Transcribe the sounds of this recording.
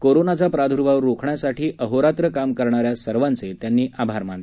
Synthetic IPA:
koɾonat͡sapɾad̪ʱuɾʋaʋəɾːokʰɳjasaʈiːʔəɦoɾat̪ɾəkamkəɾɳaɾjasəɾʋant͡set̪janːiːʔabʱaɾmãɳle

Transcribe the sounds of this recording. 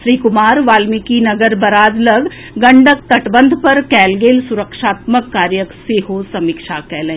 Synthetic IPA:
ʃɾiːkʊmaːɾʋaːlmikinɐɡəɾbɐɾaːd̪lɐɡ | ɡɐ̃ɳɖək̚t̪ɐʈbə̃nd̪ʱpɐɾkɛːlɡeːlsʊɾəkʃaːt̪məkːaːɾjəkseːɦosɐmikʃaːkɛːlẽː

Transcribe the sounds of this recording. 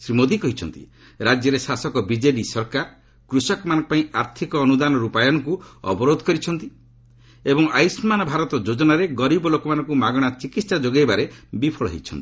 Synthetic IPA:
sɾimod̪ikɔɦit͡ʃʰɔnt̪ḭ | ɾad͡ʒjɔɾesasɔkɔbid͡ʒeɖisɔɾkaɾ | kɾusɔkɔmanɔŋkɔpaĩaɾt̪ʰikɔːnud̪anɔɾupajɔñɔkuɔ̰bɔɾod̪ʱɔkɔɾit͡ʃʰɔn̪t̪i | ebɔŋajsmanɔbʱaɾɔt̪ɔd͡ʒod͡ʒɔnaɾeɡɔɾibɔlokɔmanɔŋkumaɡɔɽ̃at͡ʃikit̪sad͡ʒoɡajbaɾebipʰɔɭɔ̰ɦḛjt͡ʃʰɔ̰nt̪i̥

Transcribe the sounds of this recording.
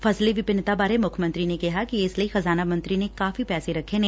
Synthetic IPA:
fɐsleʋɪpɪnːt̪abaːɾemʊkʰmə̃nt̪ɾinekɐɦakiɪslɐixɐzaːnamɐ̃nt̪ɾinekaːfipɛːseɾɐkʰene

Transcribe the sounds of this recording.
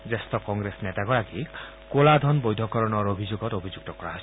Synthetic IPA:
zestɔkɔŋɡɾesnetaɡɔɹaki | kolad̪ʱɔnbojd̪ʱɔkɔɾɔnɔɹobʱizoɡɔtobʱizuɡ̚tɔkɔɹaɦɔjs

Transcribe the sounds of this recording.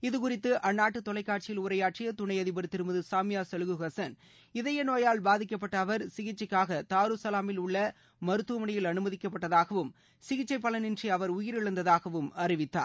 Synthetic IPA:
ɪðɯkʊrɪt̪ːɯʔɐnːaːʈːɯt̪ːɔlɐɪkːaːʈ̚t͡ʃɪjɪlʊɾɐjaːʈ̚rɪjɐt̪ʊɳɐɪɐðɪbɐɾɯt̪ːɪɾɯmbɐðɯsaːmɪjaːsɛlɯɣɯɣɐsɐn | ɪðɐjɐnoːjaːlbaːðɪkːɐp̬ːɐʈːɐːʋɐɾsɪɣɪʈt͡ʃːɐkːaːɣɐt̪aːɾɯsɐlaːmɪlʊɭːɐ | mɐɾɯt̪ːuʋɐmɐɳɐjɪlɐnɯmɐðɪkːɐpːɐʈːɐðaːɣɐʋɯm | sɪɣɪt͡ʃːɐɪpːɐɭɐnɪndriɐʋɐɾʊjɪɾɪɭɐnd̪ɐðaːɣɐʋɯmɐrɪʋɪt̪ːa̰ːɾ

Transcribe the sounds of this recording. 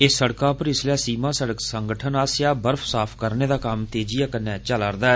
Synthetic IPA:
ɪsːəɽkãːpəɾɪslãːsiːmãːsəɽəksəŋɡəʈʰənaːsɪjaːbəɾfʰsaːpʰkəɾneːd̪aːkamt̪eːd͡ʒijaːkənɛ̃ːt͡ʃalaːɾd̪aːɛː

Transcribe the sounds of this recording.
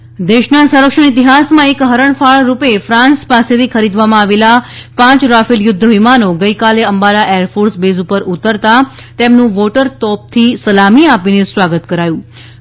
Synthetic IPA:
d̪eʃnasə̃ɾəkʂəɳit̪iɦasmãekɦəɾəɳfaɭɾupefɾãnspaset̪ʰikʰəɾid̪ʋamãaʋelapãt͡ʃɾafiljʊd̪ʱːəɦimanoɡəjkaleəmbalaʔeəɾfoɾsbezupəɾut̪əɾt̪at̪emnũʋoʈəɾt̪ɔp̚t̪ʰisəlamiapinesʋaɡət̪kəɾajũ

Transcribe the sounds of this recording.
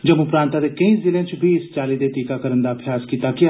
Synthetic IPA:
d͡ʒəmũpɾaːnt̪aːd̪eːkɐĩːzɪlẽːt͡ʃbʱiːɪst͡ʃaːlid̪eːt̪iːkaːkəɾənd̪aːpʰijaːskiːt̪aːki

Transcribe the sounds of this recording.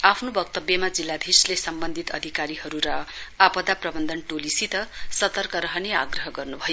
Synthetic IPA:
apʰnobʌkt̪ʌbjʌmad͡zilːad̪ʱirslesʌmbʌnd̪ʱit̪ʌd̪ʱikaɾiɦʌɾuɾʌapʌd̪aprʌbʌnd̪ʱʌnʈolisit̪ʌsʌt̪ʌrkʌɾʌɦʌnea̰ɡrʌɦʌɡʌrnubʱʌjo

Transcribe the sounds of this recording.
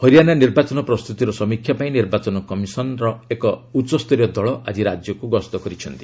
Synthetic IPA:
hɔɾijananiɾbat͡ʃɔnɔpɾɔst̪ʰut̪iɾɔsɔmikʰːjapaĩniɾbat͡ʃɔnɔkɔmisɔnɾɔekɔut͡ʃːɔst̪ɔɾjɔd̪ɔɭɔʔad͡ʒiɾad͡ʒjɔkuɡɔst̪ɔkɔɾit͡ʃʰɔnt̪i̥

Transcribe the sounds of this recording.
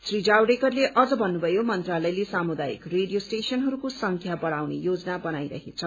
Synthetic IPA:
srid͡zawɖekʌrleʔʌd͡zʌbʱʌnːubʱʌjomʌnt̪ralʌjlesamud̪ajḭkreɖijosʈesʌnɦʌɾukosʌŋkʰjabʌɽawnḛjod͡zʌnabʌnajɾʌ̰ɦet͡sʰʌ

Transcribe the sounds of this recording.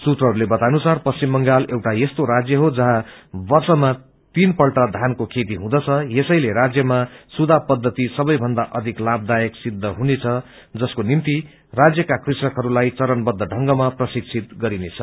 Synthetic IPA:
sut̪rʌɦʌɾulebʌt̪anusarpʌst͡ɕimːʌŋɡalewʈajest̪oɾad͡zjʌɦod͡zʌɦãbʌrsʌma | t̪inpʌlʈʌd̪ʱankokʰet̪iɦũd̪ʌt͡sʰʌjesʌjleɾad͡zjʌmasud̪ʱapʌd̪ʱːʌt̪isʌbʌjbʱʌnd̪aʔʌd̪ʱiklab̚d̪ajʌksid̪ʱːʌɦunet͡sʰʌ | d͡zʌskonimt̪i | rad͡zjʌkakrisʌkɦʌɾulajt͡sʌɾʌnbʌd̪ʱːʌɖʱʌŋɡʌmaprʌsik̚sʰit̪̚ɡʌɾinet͡sʰʌ

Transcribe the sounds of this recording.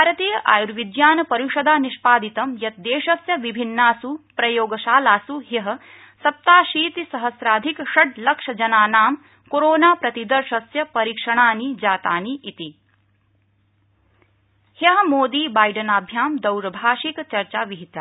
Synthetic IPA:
bʱaːɾɐt̪iːjɐʔa̰ːjuɾʋid̪jaːnɐpɐɾuʃɐd̪aːniʃpaːd̪it̪ɐmjɐt̪̚d̪eːʃɐsjɐʋibʱinːaːsupɾɐjoːɡɐʃaːlaːsuɦjɐɦɐ̆ | sɐp̚t̪aːʃiːt̪isɐɦɐsɾaːd̪ʱikʃɐɖ̚lɐkʂɐd͡ʒɐnaːnaːm | koɾoːnaːpɾɐt̪id̪ɐɾʃɐsjɐpɐɾiːkʂɐɳ̃aːnid͡ʒaːt̪aːniʔit̪i | hjɐɦɐ̆moːd̪iːbaːjɖɐnaːbʱjaːmd̪ɐwɾɐbʱaːʃikt͡ʃɐɾt͡ʃaːʋiɦit̪a

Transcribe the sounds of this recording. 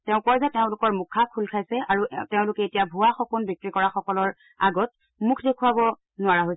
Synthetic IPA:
teʊ̃kɔɹzɛteʊ̃lʊkɔɹmukʰːakʰulkʰajsɛʔaɹuteʊ̃lʊkɛetijabʱuwaxɔkunbjɔk̚tɹikɔɹaxɔkɔlɔɹ | a̰ɡɔt̚ | mukʰdekʰuabɔ | nʊaɹaɦojsɛ

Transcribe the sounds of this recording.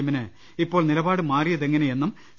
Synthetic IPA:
ɐminɨ | ipːo̞ːɭnilɐbaːɽɨmaːrijɐðe̞ŋːɐneje̞nːum

